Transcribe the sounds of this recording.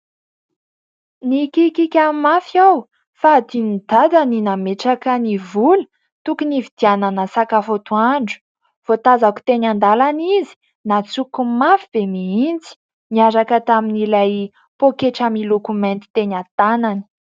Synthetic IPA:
nikikikʲamafiaw | fad̪inid̪ad̪aninameʈ͡ʂakənivulə̥ | t̪ukunivid̪̥iananəsakafot̪uaɳɖ͡ʐu̥ | v̥ot̪azaku̥t̪eɲand̪alanizi̥ | nat͡sukumafib̥emiint͡si̥ | niaɾakət̪aminilaj | pokeʈ͡ʂamilokumɛ̃nt̪i̥t̪eɲat̪anani̥

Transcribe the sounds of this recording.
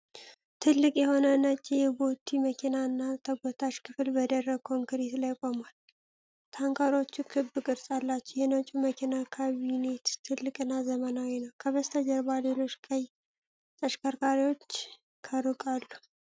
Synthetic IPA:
t̪ʰɨlːɨkʼjɛho̞nənət͡ʃʼːjɛbo̞t̪ʰːiməkʰinaɨnːat̪ʰəɡʷɔt̪ʰaʃkʰɨflbəd̪ərːəkʰoŋkɨɾet̪lajkʼomal | t̪ʰaŋkʰaɾo̞t͡ʃːukʰɨbɨkʼɨɾsʼalːat͡ʃːjɛnot͡ʃʼːuməkʰinakʰaβine̞t̪t̪ʰɨlːɨkʼɨnːazəmənawinəwkʰəβəst̪ʰəd͡ʒəɾbalelo̞t͡ʃːkʰʼəj | t̪ʼəʃkʰəɾkʰaɾiwo̞t͡ʃː | kʰəɾukʼalːu

